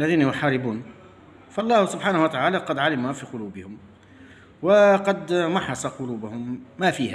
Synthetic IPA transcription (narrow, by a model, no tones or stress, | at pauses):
ʔlːaðiːnahʊmħɑːɾɪbuːn | fɑʔɑlˤːɑːhsʊbħaːnahʊwət̪aʕaːlaqɑd̪ʕalɪmhafiqʊluːbɪhʊm | waqɑd̪mɑħːɑsˤɑqʊluːbʊhʊmːæfiːhæ